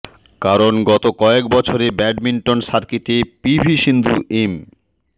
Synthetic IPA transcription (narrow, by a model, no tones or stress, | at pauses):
kaɾonɡɔt̪okɔek̚bɔt͡ɕʰoɾebɛɖmiɳʈonʃaɾkit̪epibʱiʃind̪ʱuʔem